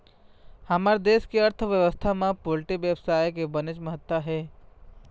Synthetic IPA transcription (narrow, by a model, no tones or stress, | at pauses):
hɐmaɾd̪eːskiɐɾt̪ʰʋjəʋəst̪ʰamãpolʈibʋjəʋsaːjkebənɪt͡ʃməɦət̪ʋəɦɛː